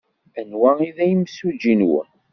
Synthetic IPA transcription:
ənwæiðæjəmsud͡ʒinwə̰

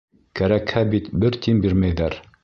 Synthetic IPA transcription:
kæɾækhæbit̪bɘɾt̪imbiɾmæjðæɾ

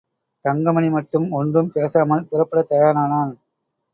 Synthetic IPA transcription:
t̪ɐŋɡɐmɐnimɐʈːɯmɔndrɯmpeːsaːmɐlpʊrɐpːɐɽɐt̪ːɐjaːɾnaːnaːl

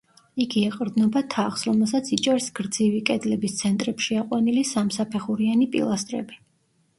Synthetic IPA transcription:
iɡiɛqʼɾd̪nɔbat̪ʰaχsɾɔmɛlˠsat̪sʰit͡ʃʼɛɾsɡ̥ɾd̪zivikʼɛd̪lɛbist̪sʰɛnt̪ʼɾɛpʃiaqʼwanilisamsapʰɛχuɾianipʼḭlˠast̪ʼɾɛ̰bi

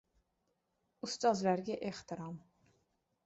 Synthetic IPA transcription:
ust̪ʼɑzlæɾɡʲæʔeht̪ʰiɾɑm

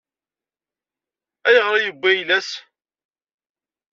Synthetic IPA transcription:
æjəʁɾˤɑjəbʷːæjlæs

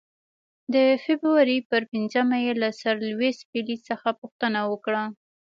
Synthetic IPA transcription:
d̪əfebɾuwaɾipəɾpinzəmajelasaɾlwespilisəxapuxt̪ənawəkɽa

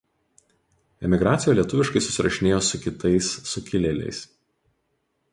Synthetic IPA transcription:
ɛmʲɪɡɾɑːt̪sʲɪjoːˑlʲiɛt̪ʊʋʲɪʃkɐɪsʊsʲɪɾɐʃʲɪnʲeːjoːsʊkʲɪt̪ɐɪsːʊkʲɪlʲɛlʲɛ̰ɪs

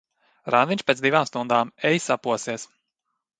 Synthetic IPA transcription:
ɾanviɲʲt͡ʃpʲet̪sd̪ivaːmst̪und̪aːmɛjsapuɔsiɛs

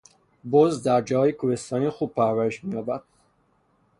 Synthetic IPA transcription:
bozd̪æɾd͡ʒɒːjekʰohest̪ɒːniːxuːb̥̚pʰæɾvæɾeʃmijɒːbæd̪̥̚

